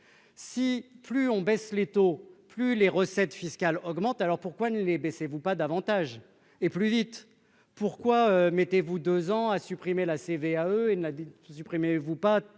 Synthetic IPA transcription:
siplyɔ̃bɛslet̪oplyleʁəsɛt̪fiskʲalɔɡmɑ̃t̪alɔʁpuʁkwanəlebɛsevupad̪avɑ̃t̪aʒ | eplyvit̪ | puʁkwaømɛt̪evud̪øzɑ̃asypχimelaseveaøenasypχimevupa

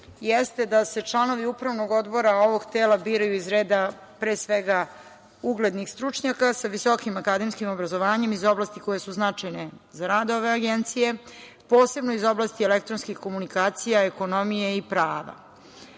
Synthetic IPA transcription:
jest̪e̞d̪ase̞t͡ʂlˠano̞ʋiupɾaʋno̞ɡo̞d̪bo̞ɾao̞ʋo̞ɡt̪eːlabiːɾajuizɾeːd̪a | pɾeːsʋeɡa | uɡled̪nixst̪ɾut͡ʂɲakasaʋiso̞kimakad̪e̞mskimo̞bɾazo̞ʋaːɲe̞mizo̞blaːst̪iko̞jesuznat͡ʂajne̞zaɾaːd̪o̞ʋe̞aɡent̪sije̞ | po̞ːse̞bnoizo̞blˠast̪ielekt̪ɾonskixko̞munikaːt̪sijaeko̞no̞mijeipɾaːʋa̰

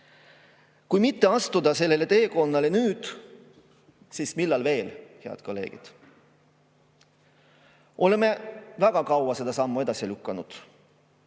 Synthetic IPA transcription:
kujmit̪ːe̞ɑst̪ud̪ɑse̞lːe̞le̞t̪e̞ːko̞nːɑle̞nyːd̪̥ | siːsmilːɑlve̞ːlhe̞ɑ̰d̪̥ko̞lːe̞̰ːɡ̥ḭd̪̥ | ʔo̞le̞me̞væɡ̥ɑkɑwɑse̞d̪̥ɑsɑmːue̞d̪̥ɑsilykːɑnud̪̥

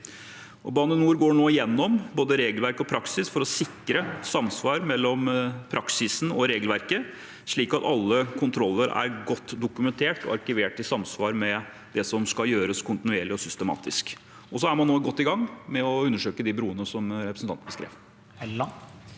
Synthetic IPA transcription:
ɔbɑːnənuːɾɡoːɳoːɪjɛnːɔmboːd̪əɾeːɡəlʋæɾkɔpʰɾɑksɪsfɔɾɔsɪkɾəsɑmsʋɑːɾmɛlːɔmpʰɾɑksɪsn̩ɔɾeːɡlʋæɾkə | ʂɭiːkɑt̪ɑlːəkʰʊnt̪ʰɾɔlːəɾæ̰ɾɡɔt̪ːd̪ʊkʉmɛnt̪ʰeːʈɔ̰ɑɾkɪʋeːʈɪsɑmsʋɑːɾmɛ | d̪̥ɛsɔmskɑljøːɾəskʰʊnt̪ɪnʉeːɭɪɔsʏst̪əmɑ̰ːt̪ɪsk | ɔs̬ɔæɾmɑnːoːɡɔt̪ːɪɡɑŋːmɛɔʉnːəʂøːkəd̪ɪbɾuːənəsɔmɾɛpɾəsn̩t̪ɑnt̪ɑskɾḛːʋ

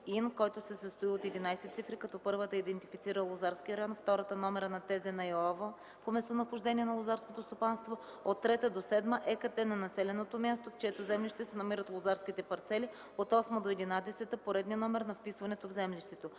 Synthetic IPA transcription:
inkɔjt̪osɛsəst̪oiot̪ɛd̪inajsɛt̪sifɾikɐt̪ɔpɤɾvət̪əid̪ɛnt̪ifit̪siɾəlˠozaɾsk̟iəɾɐjɔnft̪ɔɾət̪ənɔmɛɾənɐt̪ɛzɛnɐjɛlˠavə | pomɛst̪onɐxʊʒd̪ɛniɛnɐlˠozaɾskot̪ost̪opanst̪vo | ot̪ːɾɛt̪əd̪osɛd̪məʔɛkət̪ɛnɐnɐsɛlɛnot̪omʲjast̪oft͡ʃɛt̪ozɛmliʃt̪ɛsɛnɐmiɾət̪lˠozaɾsk̟it̪ɛpɐɾt̪sɛli | ot̪ɔsməd̪oɛd̪inad̪ɛsɛt̪əpoɾɛd̪niənɔmɛɾnɐfpisvɐnɛt̪ovzɛmliʃt̪ɛt̪o

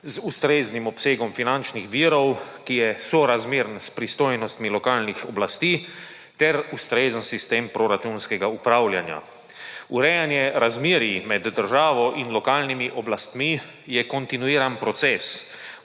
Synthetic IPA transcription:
zust̪ɾeːznimɔpseːɡɔmfinant͡ʃnixʋiːɾɔwkijɛsɔɾazmeːɾnspɾist̪oːjnɔst̪milɔkaːlnixɔblast̪iː | t̪ɛɾust̪ɾezənsist̪eːmpɾɔɾat͡ʃunskɛɡaupɾaːwljanja̰ | uɾɛjanjɛɾazmiːɾjimɛd̪ːəɾʒaːʋɔʔinlɔkaːlnimiʔɔblast̪mi | jɛkɔnt̪inuiːɾanpɾɔt̪sɛːs

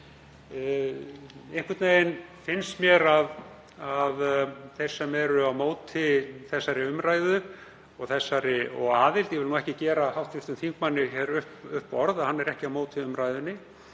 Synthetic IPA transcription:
ɪŋ̥kʰvɪt̪neɪnfɪnst̪mjɛɾað | aðθe̥sːɛmɛɾʏawmoːwt̪ʰɪθɛsːaɾɪʏmɾaːjðʏ | ɔɣθɛsːaɾɪɔ̰ɣaːðɪlt̪jɛvɪlnuɛhcɪcɛːɾahawht̪fɪft̪ʏmθiŋkmanːɪçɛɾʏhpʏhpɔɾðahanːɛɾɛhcɪawmoːwt̪ʰɪʏmɾajðʏnːɪ

